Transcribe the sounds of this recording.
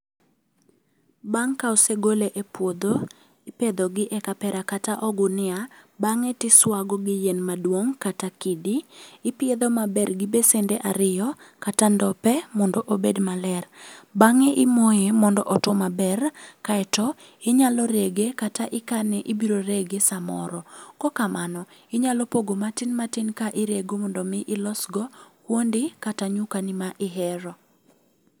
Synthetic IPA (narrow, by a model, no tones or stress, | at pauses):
baŋkaɔseɡoleʔepwod̪o | ɪped̪oɡɪʔɛkapɛɾakataʔɔɡʊnɪabaŋɛtɪswaɡɔɡɪjenmadwoŋkatakidiːpɪed̪ɔmabɛrɡɪbesendeʔaɾɪjɔkatandɔpɛmɔndɔʔobedmalɛrbaŋɪʔɪmojemɔndɔʔɔtɔmabɛrkaɛtɔ | ɪɲalɔɾeɡekataʔɪkanɛʔɪbiɾoɾeɡesamɔ̰ɾɔkɔkamanɔɪɲalɔpoɡomatɪnmatinkaʔɪɾeɡomɔndɔmɪʔɪlɔsɡɔkwondɪkataɲukanɪmaʔɪɦɛɾɔ